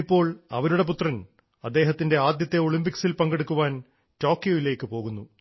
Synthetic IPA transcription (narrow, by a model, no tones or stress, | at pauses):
ipːo̞ːɭɐ̰ʋɐɾuɽe̞p̬ut̪rɐn | ɐd̪ːe̞ːɦɐt̪ːinde̞aːd̪jɐt̪ːe̞o̞ɭimpiksilpɐŋɡeɽukːuʋaːn | to̞ːkːjo̞ːjile̞ːkːɨpo̞ːɣunːu